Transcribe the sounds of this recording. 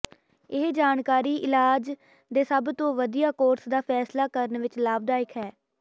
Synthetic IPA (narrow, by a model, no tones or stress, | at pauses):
ɪɦd͡ʒaːnkaːɾiːʔɪlaːd͡ʒ | d̪eːsəbt̪õːʋəd̪ijaːkoːɾsd̪aːpʰɛːslaːkəɾənʋɪt͡ʃlaːb̚d̪aːɪkɦɛː